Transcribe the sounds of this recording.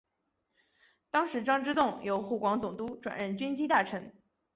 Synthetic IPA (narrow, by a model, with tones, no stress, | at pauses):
t̪ɑ˥ŋʂɻ̩˧˥ʈ͡ʂɑ˥ŋʈ͡ʂɻ̩˥t̪ʊ˥˩ŋjo˧˥ʊxu˥˩kwɑ˧˥ŋt͡sʊ˨˩ŋt̪u˥ʈ͡ʂwa̰˨˩nɻə˥˩nt͡ɕy˥nt͡ɕi˥t̪a˥˩ʈ͡ʂʰə˧˥ŋ